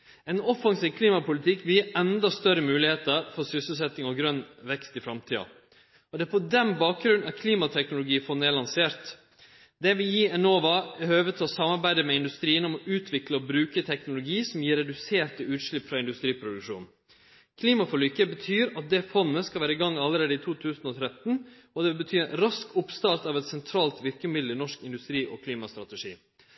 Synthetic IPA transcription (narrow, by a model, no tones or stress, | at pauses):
ɛnɔfɑŋsiːʋkʰliːmɑpʊlɪt̪ʰɪkːʋɪljiːʔɛnd̪ɑst̪œɾəmʉːlɪheːt̪əɾfɔɾsʏsəl̩sɛt̪ːɪŋɔɡɾœnʋɛkst̪ɪfɾɑmt̪ʰiːɑ̰ | ɔd̪ɛæpʰɔd̪ɛnbɑːk̚ɡɾʉnɑt̪kʰliːmɑt̪ʰɛknʊlʊɡiːfɔneːlɑnseːɾt̪ | d̪ɛʋɪjiːɛnoːʋɑɛhøːʋət̪ʰɔsɑmːɑɾbæɪd̪əmɛɪnd̪ʉst̪ɾiːənɔmɔʔʉːt̪ʰʋɪkləɔbɾʉːkət̪ʰɛknʊlʊɡiːsɔmjiːɾːɛd̪ʉseːʈəʉːt̪ʂɭɪpːfɾɑɪnd̪ʉst̪ɾiːpʰɾʊd̪ʉkʂṵːn | kʰliːmɑfɔɭyːkəbət̪ʰyːɾɑt̪̚d̪ɛfɔnːəskɑʋæːɾəɪɡɑŋːɑlːəɾeːd̪əɪt̪ʰuːt̪ʰʉːsənɔt̪ʰɾɛt̪n̩ | ɔd̪ɛbət̪ʰyːɛnɾɑskʊpst̪ɑɾt̪ɑʋɛt̪sɛnt̪ʰɾɑːlt̪ʋɪɾkəmʏd̪lənɔʂkɪnd̪ʉst̪ɾiːʔɔːkʰliːmɑst̪ɾɑt̪ɛʂḭː